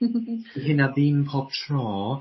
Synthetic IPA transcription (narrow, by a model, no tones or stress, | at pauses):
ɦɪnaðimpʰɔ̥tʰrɔː